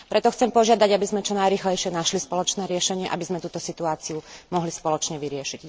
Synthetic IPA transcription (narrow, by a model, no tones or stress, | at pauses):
pɾɛt̪ɔxt͡sɛmpɔʒɪad̪aɟabizmɛt͡ʃɔnajɾiːxlɛjʃɪɛnaʃlispɔlɔt͡ʃnɛːɾɪɛʃɛɲɪɛʔa̰bizmɛt̪uːt̪ɔsit̪uaːt͡siumɔɦlispɔlɔt͡ʃɲɛʋiɾɪɛʃiɟ